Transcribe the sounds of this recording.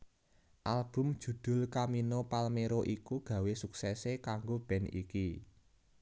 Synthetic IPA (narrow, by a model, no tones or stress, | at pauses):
ʔalb̥ʊ̤md̥ʒ̥ṳd̪̥ʊ̤lkaminopalmeɾoʔikuɡ̥ä̤wesuksɛsekaŋɡob̥ɛ̤nḭki